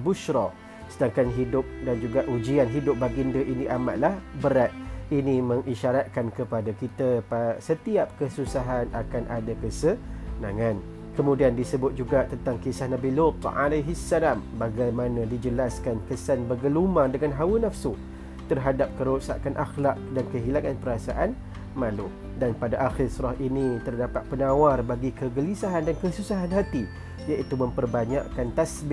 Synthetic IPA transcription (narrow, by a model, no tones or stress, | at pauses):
buʃɾɔ | sədaŋkanɦidʊp̚dand͡ʒuɡaʔud͡ʒianɦidʊp̚baɡindəʔiniʔama̰ʔ̪lahbəɾat̪̚iniməŋʔiʃaɾat̪̚kankəpadakit̪əpasət̪iap̚kəsusaɦanakanʔadakəsənaŋan | kəmũdiandisəbʊt̪̚d͡ʒuɡat̪ənt̪aŋkisahnabilʊt̪a̰lajɦisːalambaɡajmanãdid͡ʒəlaskankəsanbəɡəlumadəŋanɦawənafsu | t̪ərɦadap̚kəɾosa̰kanʔaxlaʔ̚dankəɦilaŋanpəɾasaʔan | malu | danpadaʔaxɪrsuɾahinit̪ərdapat̪̚pənawarbaɡikəɡəlisaɦandankəsusaɦanɦat̪i | jaʔit̪umə̃mpərbaɲa̰ʔkant̪asbɪ